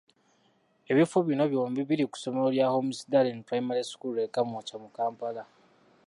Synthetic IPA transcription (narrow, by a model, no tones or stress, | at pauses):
eβifuβino̞βjoːmbiβiɾiku̥so̞meoljaːho̞musidalenpɾajimaɾiskulekamocamukaːmpala